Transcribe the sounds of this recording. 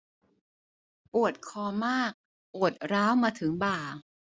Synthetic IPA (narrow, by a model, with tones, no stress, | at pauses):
pu˨˩ət̪̚kʰɔː˧maː˥˩k̚ | ʔoː˨˩ə˩t̪̚ɾaː˦˥wmaː˧t̪ʰɯ˩˦ŋbaː˨˩